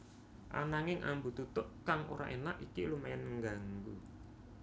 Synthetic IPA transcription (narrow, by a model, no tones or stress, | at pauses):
ʔa̰naŋɪŋʔa̰mbut̪ut̪ʊʔkaŋʔoɾa̰ʔenaʔikilumajanːəŋɡaŋɡu